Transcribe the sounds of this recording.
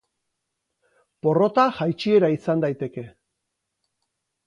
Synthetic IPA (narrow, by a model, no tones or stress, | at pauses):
po̞ro̞t̪axajt͡ʃie̞ɾaisand̪ajt̪e̞ke̞